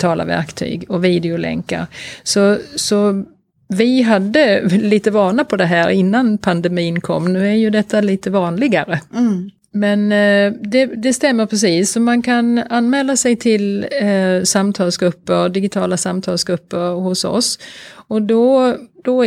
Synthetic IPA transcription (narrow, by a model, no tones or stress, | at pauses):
t̪ʰɑːla̰væ̰ɾkt̪ʰy̰ːɡɔviːd̪ɪʊlɛ̰ŋkːa̰ɾsɔsɔ | vɪɦad̪ːəliːt̪əvɑːɳapʰɔd̪ɛɦæːɾɪnːanpʰand̪ɛmiːnkʰɔ̰mːnʉ̟ːæɾjɵd̪ɛt̪ʰːaliːt̪əvɑːnlɪɡaɾə | mɛnd̪ɛd̪ɛst̪ɛmːəɾpʰɾɛs̬iːsːɔmankʰananːmɛːlːasɛjt̪ʰɪl | samt̪ʰɑːlsɡɾɵpːəɾd̪ɪɡɪt̪ʰɑːlasamt̪ʰɑːlsɡɾɵpːəɾhʊsɔ̰sɔd̪ɔd̪̥ɔ